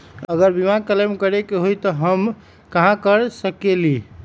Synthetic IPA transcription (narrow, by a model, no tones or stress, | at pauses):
əɡəɾbimakələmkəɾekeɦojt̪ɔɦəm | kəɦãkəɾsəkeli